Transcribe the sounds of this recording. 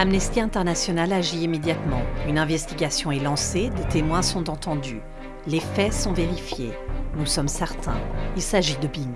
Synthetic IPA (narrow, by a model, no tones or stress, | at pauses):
amnɛst̪iɛ̃t̪ɛʁnasjɔnalaʒiimed̪jat̪mɑ̃ynɛ̃vɛst̪iɡʲasjɔ̃ɛlɑ̃sed̪et̪emwɛ̃sɔ̃t̪ɑ̃t̪ɑ̃d̪y | lefɛsɔ̃veʁifjenusɔmsɛʁt̪ɛ̰̃ilsaʒid̪əbiɲ